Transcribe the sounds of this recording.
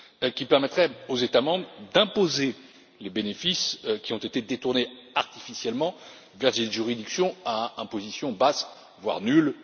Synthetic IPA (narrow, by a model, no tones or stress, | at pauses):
kʲipɛʁmɛt̪χɛozet̪amɑ̃bʁd̪ɛ̃poze | lebenefiskʲiɔ̃t̪et̪ed̪et̪uʁneaʁt̪i̥fisjɛlmɑ̃ | vɛʁd̪eʒyʁid̪iksjɔ̃aɛ̃pozisjɔ̃bas | vwa̰ʁnyl